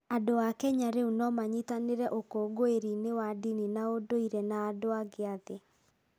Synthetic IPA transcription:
adoakɛɲaɾeunɔmaɲitaneɾɛʔokoɡoeɾinewadininaodoiɾɛnaːdoaɡeaðe

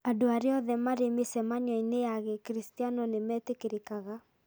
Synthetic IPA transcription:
adoaɾjɔðɛmaɾemesɛmaɲwɔinejaɣekɾistianɔnemɛtekeɾekaɣa

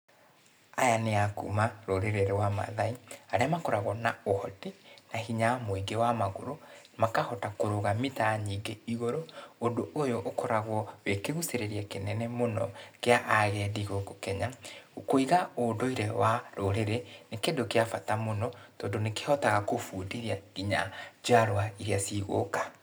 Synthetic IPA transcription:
ajaneakṵmaɾoɾeɾeɾewama̰ðaiaɾeamakɔɾaɣwɔnaohɔdinaɦiɲamoiɡewamaɣoɾomakahɔtakoɾoɣamitaɲiːɡeiɣoɾoondoojoʔːkɔɾaɣwɔwekeɣuseɾeɾiakenɛnɛmonɔ̰keaʔaɣɛːdiɣoɡokɛɲaokoiɣaoːdoiɾewaɾoɾeɾenekedokeafatamonɔtɔːndoneke̥hɔtaɣakofuːdiɾiaɣiɲa̰d͡ʒaɾoaiɾeasiːɣo̰kḁ

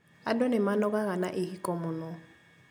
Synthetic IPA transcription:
adɔnɛmanɔɣaɣanaʔɪhikʼɔmʊnɔ

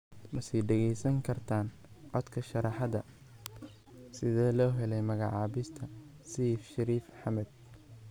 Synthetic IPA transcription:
mɐsɛjɖɛɣɛjsɐŋkʰɐrt̪ʰaːn | ʕɔd̪kʰɐʃɐɾɑħɑðɐ | sɪðɛːlɔːɦɛlɛjmɐɣɑ̰ʕɑːβɪst̪ʰɐ | siːfʃɐɾiːfħɑmɛd̪̚

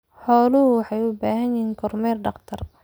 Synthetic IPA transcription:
ħɔːlʊɦʊwɑħɑjʊbaːɦɐnjiːŋkʰɔrmɛːrɖɑqt̪ʰɐr

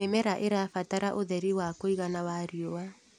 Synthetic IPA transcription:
ɛmɛɾaʔeɾafataɾaʔoðɛɾiwakoiɣanaβaɾiowa

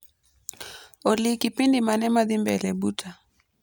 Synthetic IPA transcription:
olikipindimanɛmaðimbɛlɛbutʰa

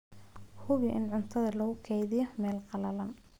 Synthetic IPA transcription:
hʊβɪʔɪ̰nʕʊnt̪ʰɐðɐlɐɣʊkʰɛjðɪjɔmɛːlqɑlɐlɐn

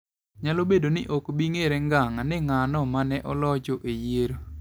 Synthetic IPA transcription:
ɲalobedonɪʔokbiŋeɾɛŋɡaŋanɪŋanɔmanɛʔɔlɔd͡ʒɔʔejeɾo

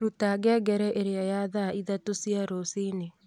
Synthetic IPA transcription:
ɾutaɡɛɡɛɾɛʔeɾeajaðaiðatosiaɾosine

